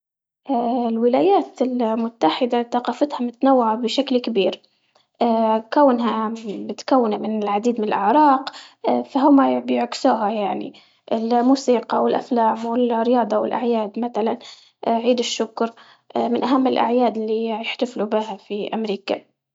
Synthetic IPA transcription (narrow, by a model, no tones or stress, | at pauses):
ʔaːlwɪlaːjaːt̪ɪlmʊt̪ːaħɪd̪aθɑqɑːfɪt̪hamʊt̪anawːaʕabɪʃaklkɪbiːɾ | ʔakawːnɦabɪt̪kawːɪnamɪnɪlʕad̪iːd̪mɪnɪlʔɪʕɾˤɑːqfaɦʊmːabɪjɪʕksuːɦajaʕnḭ | ʔɪlmuːsiːqɑwɪlʔaflaːmwɪlrɪjɑːd̪ˤɑwɪ̰lʔa̰ʕjaːd̪maθalan | ʔʕiːd̪ɪʃːʊkɾˤ | ʔmɪnʔaɦamːɪlʔa̰ʕjaːd̪ɪlːijɪħt̪aflubɪhafiʔamɾiːka̰